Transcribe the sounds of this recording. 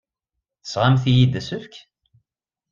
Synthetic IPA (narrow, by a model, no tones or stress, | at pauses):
θə̥sʁamθijid̪æsəfk